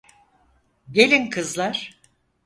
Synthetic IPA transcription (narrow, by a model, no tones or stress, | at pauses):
ɟe̞lʲinkʰɯzlˠaɾ̥